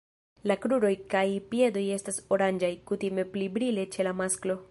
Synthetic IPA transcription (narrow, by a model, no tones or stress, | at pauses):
lakɾuɾo̞jkajpie̞d̪o̞je̞staso̞ɾand͡ʒajkut̪ime̞plibɾile̞t͡ʃe̞lamasklo̞